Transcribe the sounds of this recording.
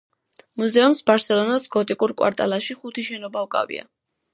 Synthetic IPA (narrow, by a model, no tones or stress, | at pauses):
muzɛumsbaɾsɛlˠɔnasɡɔt̪ʼikʼuɾkʼwa̰ɾt̪ʼa̰laʃiχut̪ʰiʃɛnɔbaukʼa̰vḭa̰